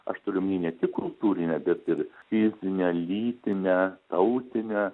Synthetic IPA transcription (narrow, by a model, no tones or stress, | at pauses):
ɐ̰ʃt̪oːɾʲʊmʲnʲiːnʲɛt̪ʲɪkkːʊlˠt̪uːɾʲɪnʲɛbʲɛt̪ɪrfʲɪzʲɪnʲɛlʲiːt̪ʲɪnʲɛt̪ɐʊt̪ʲɪnʲɛ